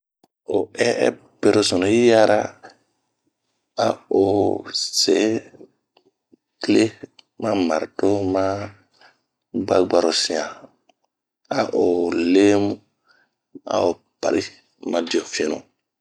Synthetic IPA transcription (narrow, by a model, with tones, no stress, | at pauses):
o˨ɛ˦ɛ˦ | pe˦ɾo˦so˨no˨i˦ja˦ɾa˦ | a˨o˨se˨˦ | kle˦ | mã˦ma˨ɾto˦mã˦ | ɡ͡ba˦ɡ͡ba˦ɾo˨sĩ˨ã˨ | a˨ʔo˨le˦mu˦ | a̰˦˨o˨ | pa̰˨ɾʔi˦ | mã˨di˨o˨fi˦e˨nṵ˨